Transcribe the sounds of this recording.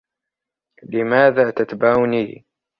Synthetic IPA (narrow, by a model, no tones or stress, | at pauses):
lɪmaːðaːt̪at̪baniː